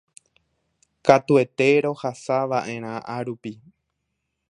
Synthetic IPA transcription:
kat̪ue̞t̪e̞ɾo̞hasaʋaʔẽ̞ɾ̃ãʔaɾupi

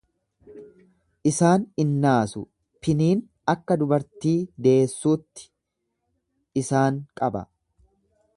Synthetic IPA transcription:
ʔɪsaːnɪnːaːsʊ | pɪniːn | ɐkːɐd̪ʊbɐɾt̪iːd̪e̞ːsːuːt̪ːɪ̥ | ʔɪsaːŋkʼɐbɐ̰

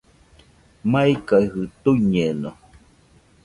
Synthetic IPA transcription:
maikaihɨt̪uɲeno

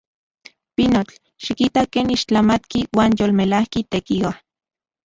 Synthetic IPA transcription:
pinot͡ɬ | ʃikit̪akeːniʃt͡ɬamat̪kiwaːnjolmelahkit̪ekiwa

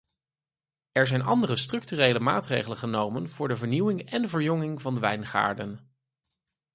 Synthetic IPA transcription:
ɛɹzɛjnʔɑndərəstrɵk̚tyrejləma̰ːtrejχələnχənowmənv̥ʊːɹdəvəɹniwɪŋɛndəvəɹjɔŋɪŋvɑndəʋɛjnχa̰ːɹdən

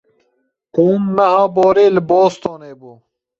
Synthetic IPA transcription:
quːmːɐhɑ̃ːboːɾeːlboːst̪oːneːbo

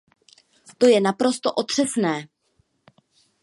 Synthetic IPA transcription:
t̪o̞jɛnapɾo̞st̪o̞ʔo̞t̪r̝̥ɛsnɛː

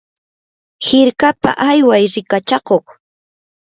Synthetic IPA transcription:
hɪɾkapa̰ʔajwajɾɪkat͡ʃɑqoχ

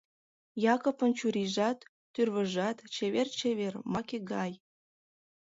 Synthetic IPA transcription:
jɑkopə̆nt͡ɕuɾiʒɑt̪ː | yrβə̆ʒɑt̪t͡ɕeβert͡ɕeβermɑkeɡɑj

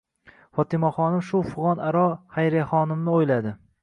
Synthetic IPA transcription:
fɒt̪ʰɪmɒχɒnɪmʃʊfʊʁɒnaɾɒhajɾaχɒnɪmnɪojlad̪ɪ

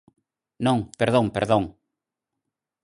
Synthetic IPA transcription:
nõŋpeɾðõŋpeɾðõŋ

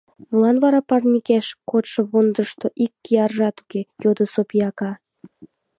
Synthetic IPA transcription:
mulˠɑnβɑɾɑpɑrnʲikeʃkot̪ʃə̆βond̪əʃt̪oʔikʲːijɑrʒɑt̪u̥kejod̪əsopijɑkɑ

